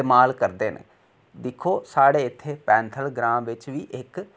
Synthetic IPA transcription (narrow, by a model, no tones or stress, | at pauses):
emaːlkəɾd̪eːn̰ | d̪ɪkʰːoːsaːɽeːɪt̪ʰːeːpɛ̃ːnt̪ʰəlɡɾãːmʋɪt͡ʃʋiːʔɪk